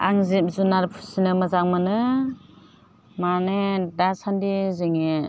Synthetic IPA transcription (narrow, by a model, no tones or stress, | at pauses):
a̰ŋzip̚zunaɾpʰu̥sinɯmazaŋmɯnɯ | manɯdasandizɯŋe